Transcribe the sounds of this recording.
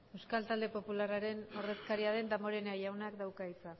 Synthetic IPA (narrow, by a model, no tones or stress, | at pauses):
e̞wskalt̪ald̪e̞po̞pularaɾe̞no̞re̞skaɾiaðe̞nd̪amo̞ɾe̞neajawnakd̪awkait͡sa